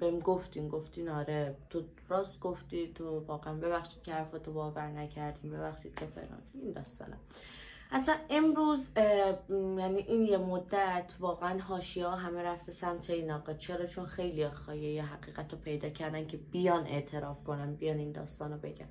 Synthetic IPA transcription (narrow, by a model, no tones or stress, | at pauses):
b̥emɡoft̪iːmɡoft̪inɒːɾet̪ʰo | ɾɒːst̪ɡ̥oft̪iːt̪ʰovɒːɣeænbe̞βæxʃiːd̪̥̚cʰehæɾfɒt̪ʰobɒːvæɾnæcʰæɾd̪iːmbe̞βæxʃiːd̪̥̚cʰefḛɾɒ̰ːnind̪ɒ̰ːst̪ɒ̰ːnæ̰m | ʔæslænemɾuːz | jæniʔiːnjemod̪ːæt̪ʰvɒːɣeænɦɒːʃiɛɒɦæmeɾæft̪esæmt̪ʰeinɒːɣet͡ʃʰeɾɒːt͡ʃʰo̞nxejlijɒːxɒːjejeɦæɣiːɣæt̪ʰopʰe̞jd̪ɒːcʰæɾd̪æncʰe̞b̥ijɒne̞̰ʔt̪ʰe̞ɾɒːfkʰonænbijɒnind̪ɒ̰ːst̪ɒːnobe̞ɟæ̰n